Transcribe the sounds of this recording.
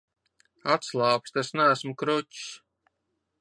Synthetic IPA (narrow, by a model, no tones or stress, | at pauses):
at̪slˠaːpst̪esnææsmukɾuts